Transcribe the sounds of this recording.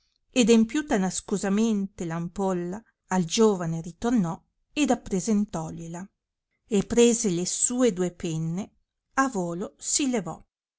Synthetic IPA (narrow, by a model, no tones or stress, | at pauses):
ed̪empjuːt̪anaskuzament̪elampolːaː | ld͡ʒoːvaneɾit̪ornɔ | ed̪apːɾezent̪ɔʎela | epːɾeːzelesuːed̪uːepɛnːe | avoːlosilevɔ̰